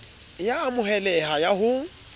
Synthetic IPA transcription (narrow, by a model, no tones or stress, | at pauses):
jaːmʊɦɛlɛhajaɦʊ